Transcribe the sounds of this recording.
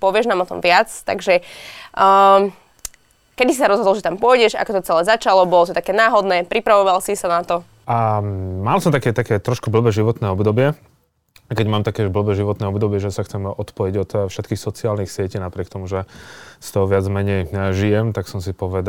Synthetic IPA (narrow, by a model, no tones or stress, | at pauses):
pɔʋɪɛʒnaːmɔt̪ɔ̰mʋɪat͡st̪a̰ɡʒɛ | kɛd̪isisaɾɔzɦɔd̪ɔlʒɛt̪ampʊɔjɟɛʒa̰kɔt̪ɔt͡sɛlɛːzat͡ʃalɔbɔlɔt̪ɔt̪akɛːnaːɦɔd̪nɛːpɾipɾaʋɔʋalsisanat̪ɔ | amalsɔmt̪akɛːt̪akɛːt̪ɾɔʃkubl̩bɛːʒiʋɔt̪nɛːɔbd̪ɔbɪɛ | kɛɟmaːmt̪akɛʒbl̩bɛːʒiʋɔt̪nɛːɔbd̪ɔbɪɛʒɛsaxt͡sɛmɔt̪pɔjiɟɔt̪fʃɛt̪kiːxsɔt͡siaːlnixsɪɛciːnapɾɪɛkt̪ɔmuʒɛst̪ɔɦɔʋɪad͡zmɛɲɛjʒijɛmt̪aksɔmsipɔʋɛd̪a